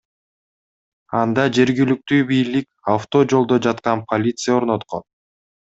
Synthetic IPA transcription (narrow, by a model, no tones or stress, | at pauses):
ɑnd̪ɑd͡ʒe̞ɾɡilyk̚t̪yːbijlik | aft̪o̞d͡ʒo̞lˠd̪o̞d͡ʒɑt̪qɑnpʰɐlʲit̪sɨjao̞ɾno̞t̪qo̞̰n